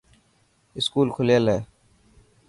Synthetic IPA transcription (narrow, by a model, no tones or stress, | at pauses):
ɪskuːlkʰʊljeleː